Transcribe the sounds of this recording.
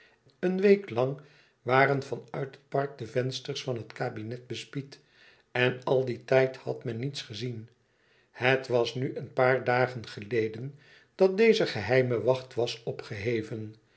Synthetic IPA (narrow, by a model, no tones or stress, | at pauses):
ənʋejklɑŋ | ʋaːrənvɑnœɥtɦət̚pɑɹk̚dəvɛnstərsfɑnɦətkaːbinɛt̚bəspit | ɛnɑlˠditɛjthɑtmɛnːitsχəzin | hətʋɑsnyʔənpaːɹdaːχənχəlejdən | d̥ɑt̚dejzəχəɦɛjməʋɑχtʋɑsɔpχəɦejvən